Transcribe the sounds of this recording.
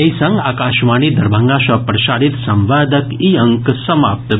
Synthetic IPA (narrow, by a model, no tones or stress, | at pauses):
ejsɐ̃ŋɡaːkaːʃʋaːñiːd̪ɐɾbʱəŋɡaːʃɐpɾɐʃaːɽit̪sɐ̃mʋaːd̪ʱəkiɐŋksɐmaːp̚t̪